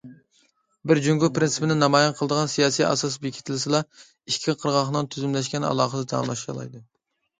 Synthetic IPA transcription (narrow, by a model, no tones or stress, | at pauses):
bɪɾd͡ʒyŋɡupɾɪnsɨ̥pɪnɪnɑmɑjɑnqʰəlˠəd̪əʁɑnsijɑːsijɑ̰sɑsbekʲʰi̥t̪ʰlɪsɨlˠɑ | iʃkʲʰːiqʰəɾʁɑχnɨŋt̪ʰyzymlɛʃkʲɛnɑ̰lˠɑːχəd̪ɛd̪ɑ̰mlˠɑʃɑ̰lˠɑ̰jd̪ɨ